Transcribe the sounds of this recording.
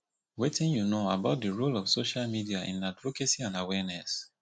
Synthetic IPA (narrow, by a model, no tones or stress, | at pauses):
wetĩnjunoabaʊt̚dəɹolɔfsoʃalmidiaʔḭ̃nadvokesiãnawɛnɛs